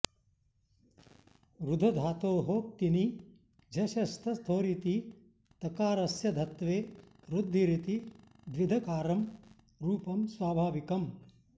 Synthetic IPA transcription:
ɾud̪ʱɐd̪ʱaːt̪oːɦoːk̚t̪ini | d͡ʒʱɐʃɐst̪ʰɐst̪ʰoːɾit̪i | t̪ɐkaːɾɐsjɐd̪ʱɐt̪ʋeː | ɾud̪ʱːiɾit̪i | d̪ʋid̪ʱɐkaːɾɐm | ɾuːpɐmswaːbʱaːʋikɐm

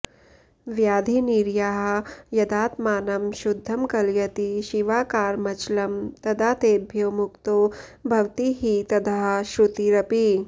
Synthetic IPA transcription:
ʋjaːd̪ʱiniɾjaɦɐ̆jɐd̪aːt̪maːnɐmʃud̪ʱːɐmkɐljɐt̪iʃiʋaːkaːɾmɐt͡ʃlɐmt̪ɐd̪ʱaːt̪eːbʱjomukt̪obʱɐʋt̪iɦit̪ɐd̪ʱaɦɐʃɾut̪iɾɐpi

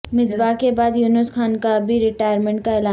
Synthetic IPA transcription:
mɪzbaːkebaːd̪juːnɪsxʰaːnkabʱiɾɪʈaːjəɾmɛ̃ːɳʈ̚kaɪlaː

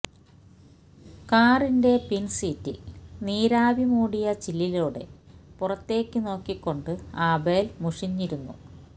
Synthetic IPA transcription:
kaːrinde̞pinsiːtːḭniːɾaːʋimuːɽijɐt͡ɕilːiluːɽe̞̰purɐt̪ːe̞ːkːɨno̞ːkːikːo̞ɳɖɨaːbeːlmuʂiɲːiɾunːṵ

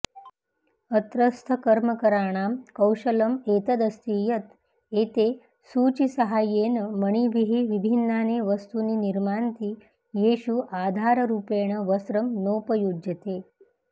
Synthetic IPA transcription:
ət̪ɾəst̪ʰəkəɾməkəɾaɽ̃amkəwɕələmet̪əd̪əst̪ijət̪ | et̪e | suːt͡ɕisəɦajːenəməɳ̃iʋiɦiːʋibʱinːaneʋəst̪uniːniɾmant̪iː | jeɕuʔad̪ʱaɾəɾuːpeɽ̃əʋəsɾəmnopəjud͡ʒət̪e

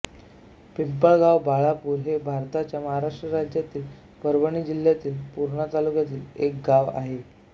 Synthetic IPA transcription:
pimpaɡaʋbaɭapuːɾɦebʱaɾt̪at͡ɕjaməɦaɾaʂʈɾəɾad͡ʑjat̪iːl | pəɾbəɳ̃iːd͡ʑil̤jat̪iːlpuɾɳək̪alukat̪iːlek̚ɡaʋa̰ɦe

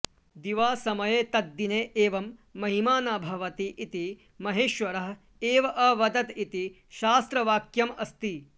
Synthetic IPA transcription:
d̪iʋaːsɐmɐjeːt̪ɐd̪ːineːʔeːʋɐmːɐɦimaːnaːbʱɐʋɐt̪iʔit̪i | mɐɦeːʃʋɐɾɐɦ | eːʋɐʔɐʋɐd̪ɐt̪it̪i | ʃaːst̪ɾɐʋaːkjɐmɐst̪i

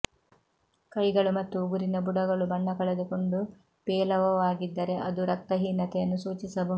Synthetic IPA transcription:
kɐjɡɐɭumɐt̪ːuːɡuɾinɐbuɽɐɡɐɭubɐɳːɐkɐɭed̪ukoɳɖu | pɛːlɐʋɐʋaːɡid̪ːɐɾe̞ʔɐd̪uɾɐk̚t̪ɐɦiːnːɐt̪ɛjɐnːusuːt͡ʃisɐbɐ

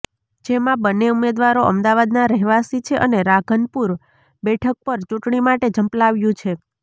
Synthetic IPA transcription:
d͡ʒemãbənːeumed̪ʋaɾoʔə̰md̪aʋad̪naɾəɦʋasit͡ʃʰeʔə̰neɾaɡʱənpuɾ | bɛʈʰək̚pəɾt͡ʃũʈɳimaʈed͡ʒəmplaʋjũt͡ʃʰe

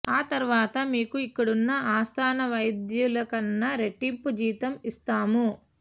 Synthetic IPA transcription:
aːt̪ɐɾuʋaːt̪ɐmiːkuikːɐɽunːɐʔaːst̪ʰaːnɐʋɐjd̪julɐkɐnːɐɾe̞ʈːimpud͡ʒiːt̪ɐmist̪aːmu

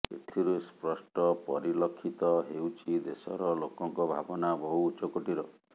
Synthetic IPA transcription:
ḛt̪ʰiɾuspɾɔsʈɔpɔɾilɔkʰːit̪ɔɦewt͡ʃʰid̪esɔ̰ɾɔlokɔŋkɔbʱa̰bɔnabɔɦuːt͡ʃɔkoʈiɾɔ

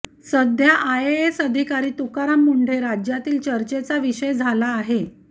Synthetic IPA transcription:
səd̪ʱjaʔajeesəd̪ʱikaɾiːt̪ukaɾamːuɳɖ̤ʱeɾad͡ʑjat̪iːlt͡ɕəɾt͡ɕet͡saʋiɕəjd͡zʱalaːɦe

